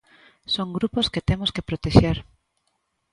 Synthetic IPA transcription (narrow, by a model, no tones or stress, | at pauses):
soŋɡɾuposket̪emoskepɾot̪eʃeɾ